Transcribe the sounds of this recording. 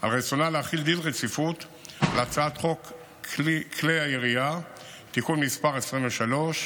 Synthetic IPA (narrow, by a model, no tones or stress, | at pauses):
ʔa̰lʁet͡sonaleaχild̪ilʁet͡sifut | lat͡saat̪χo̞k | kʰlejaiʁia | t̪ikunmispaʁesʁimveʃalo̞ʃ